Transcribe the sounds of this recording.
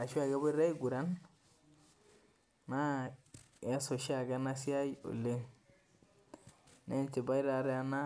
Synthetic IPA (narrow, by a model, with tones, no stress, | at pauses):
a˨ʃu˦a˨ɡa˦bo˦ɾe˦i˦ɡu˨ɾa˦n | a˦ | a˦so˨ʃi˦a˨ɡa˦na˦si˦a˦jo̰˨le˦ | ne˦nt͡ʃi˨ba˦i˦ɾa˨ɾɛ˦a˦na˦